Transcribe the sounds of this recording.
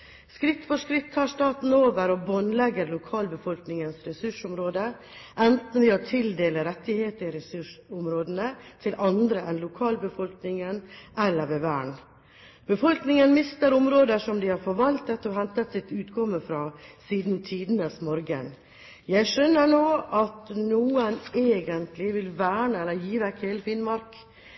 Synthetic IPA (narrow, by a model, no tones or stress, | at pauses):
skɾɪt̪ːfɔʂkɾɪt̪ʰːɑːʂt̪ɑːt̪n̩oːʋəɾɔbɔnlɛɡəɾlʊkʰɑːlbəfɔlknɪŋənsɾɛsʉʂʊmɾoːd̪ə | ʔɛnt̪n̩ʋɪoːt̪ʰɪld̪eːləɾɛt̪ːɪheːt̪əɪɾɛsʉʂʊmɾoːd̪ənət̪ʰɪlʔɑnd̪ɾəʔɛnlʊkʰɑːlbəfɔlknɪŋənʔɛlːəɾʋeʋæːɳ | b̥əfɔlknɪŋənmɪst̪əɾʊmɾoːd̪əʂɔmd̪ɪhɑɾfɔɾʋɑlt̪ət̪ːɔhɛnt̪ət̪sɪt̪ʉːt̪kʰɔmːəfɾɑsiːd̪nt̪ʰiːd̪nəsmɔɾɡən | jæɪʂœnːəɾɳoːʔɑt̪nuːəneːɡənt̪lɪʋɪlʋæːɳəɛlːəɾjiːʋækheːləfɪnmɑɾk